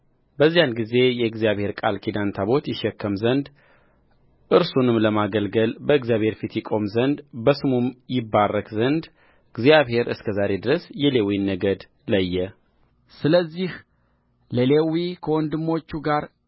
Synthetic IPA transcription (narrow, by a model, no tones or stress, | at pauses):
bəzːijanɡize̞jɛɨɡzijaβhe̞ɾkʼalkʰid̪ant̪ʰaβo̞t̪jɪʃːɛkːəmzənd̪ | ʔɨɾsunɨmləmaɡəlɡəlbəɨɡzijaβhe̞ɾfit̪jɪkʼo̞mzənd̪bəsɨmumjɪbːarːəkʼzənd̪ | ɡzijaβhe̞ɾɨskʰəzaɾe̞d̪ɨɾəsjɛle̞winːəɡəd̪ | ləjːɛ | sɨləzːih | ləlewikʰəwɔnd̪ɨmːo̞t͡ʃːuɡaɾ